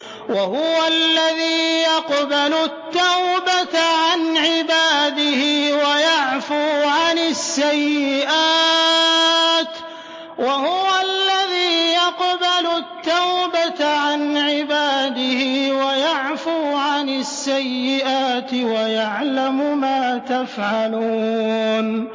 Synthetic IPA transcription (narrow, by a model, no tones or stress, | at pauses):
wahʊwalːaðiːjɑqbalʊt̪ːawbat̪ʕanʕɪbaːd̪ɪhɪwajaʕfuːʕanɪsːajːɪʔaː | t̪ | wahʊwalːaðiːjɑqbalʊt̪ːawbat̪ʕanʕɪbaːd̪ɪhɪwajaʕfuːʕanɪsːajːɪʔaːt̪ɪwajaʕlamʊmaːt̪afʕaluːn